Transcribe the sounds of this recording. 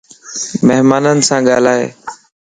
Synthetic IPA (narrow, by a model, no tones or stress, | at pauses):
meɦmaːnənɪ̆sãːɠaːl̤aːɦḛː